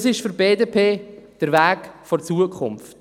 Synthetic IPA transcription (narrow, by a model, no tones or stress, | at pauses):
sɪʃfʏɾbeːdepʰeːd̥əɾvæːkfɔɾt͡suːəkʰʊ̰mft